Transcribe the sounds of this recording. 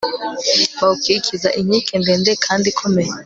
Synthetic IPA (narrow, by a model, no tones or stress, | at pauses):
kwaukʰikʰizaʔiɲikʰɛnbɛndɛkʰandikʰɔmɛ